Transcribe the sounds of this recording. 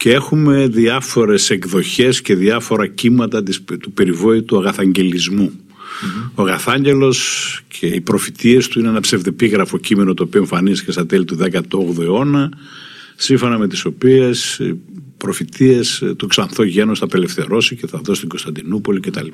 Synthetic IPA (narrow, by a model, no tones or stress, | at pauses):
cee̞xume̞ðiɐfo̞ɾe̞se̞ɡðo̞çe̞sce̞ðiɐfo̞ɾɐcimɐt̪ɐt̪ist̪upe̞ɾivo̞it̪uɐɣɐθɐɲɟe̞lizmu | oɣɐθɐɲɟe̞lo̞scʰeipɾo̞fit̪ie̞st̪uineenɐpsevðepiɣɾɐfo̞cime̞not̪oːpioeɱfɐnizicest̪ɐt̪e̞lit̪uðekɐt̪oo̞ɣðoeo̞nɐ | siɱfo̞nɐme̞t̪iso̞pie̞sḭpɾo̞fit̪iest̪oksɐnθo̞ʝe̞nost̪ɐpe̞le̞fθe̞ɾo̞sice̞θɐðo̞st̪iŋɡo̞st̪ɐnd̪inupo̞licet̪ɐlipa